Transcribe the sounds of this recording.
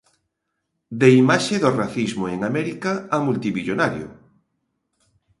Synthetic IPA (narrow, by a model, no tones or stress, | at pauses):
d̪eimaʃeðoraθizmoeŋamɛɾikaːmult̪iβiʎonaɾjo̰